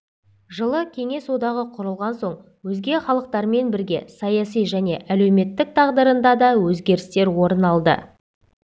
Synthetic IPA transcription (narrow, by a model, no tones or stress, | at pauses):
ʒəlˠəkʲʰe̞ŋe̞sod̪ɑʁəqʰʊɾəlˠʁɑnso̞ɴ | wɵzɡʲe̞χɑlˠəq̚t̪ɑɾme̞nbɪɾɡʲe̞̰sɑjɑsijʒæne̞ʔælewme̞t̪ːɪk̚t̪ʰɑʁd̪əɾənd̪ɑd̪ɑwɵzɡʲe̞ɾɪst̪e̞ɾwo̞ɾənɑlˠd̪ə̰